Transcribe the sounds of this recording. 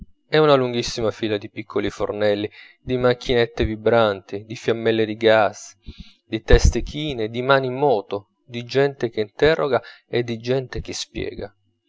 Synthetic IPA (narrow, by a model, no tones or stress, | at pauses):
ɛunaluŋɡisːimafiːlad̪ipikʰːolifo̰rnɛlːi | d̪imakʰːinet̪ːevibɾant̪id̪ifjamːɛlːed̪iɡas | d̪it̪ɛst̪ek̟ʰiːned̪imaːnimːɔːt̪o | d̪id͡ʒɛnt̪ek̟eint̪ɛrːoɡaed̪ːid͡ʒɛnt̪ek̟espjɛ̰ːɡa